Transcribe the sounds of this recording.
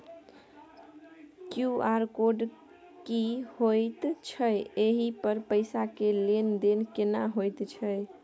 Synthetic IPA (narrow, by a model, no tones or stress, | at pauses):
kjuaɾkoɖ | kihojt̪t͡ʃʰəjeɦipəɾpəɪjsakelend̪enkenaɦojt̪t͡ʃʰəj